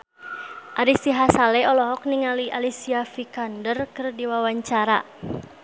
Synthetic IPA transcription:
ʔaɾisiɦasalɛɔlɔɦɔk̚niŋaliʔalisiafikandərkɨrdiwawaɲt͡ʃaɾa

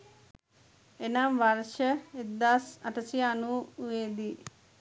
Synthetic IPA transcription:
enamʋarʃəed̪ːaːsɐʈəsianuʋeːd̪i

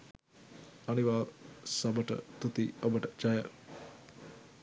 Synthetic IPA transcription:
ɐniʋaːsɐbəʈə̰t̪ut̪iobəʈət͡ʃajə

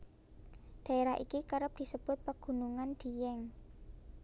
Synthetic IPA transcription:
d̥a̤eɾaʔikikaɾəp̚d̥i̤səb̥ʊt̪̚pəɡ̥ṳnuŋand̪̥i̤jɛŋ

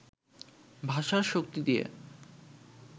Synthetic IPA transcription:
bʱaʃaɾʃok̚t̪id̪ijḛ

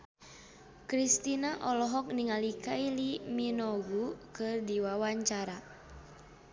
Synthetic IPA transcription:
kɾist̪inaʔɔlɔɦɔk̚niŋalikailiminɔɡukɨrdiwawaɲt͡ʃaɾa

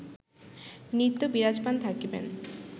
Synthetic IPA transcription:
nit̪ːobiɾad͡ʑpant̪ʰakbḛn

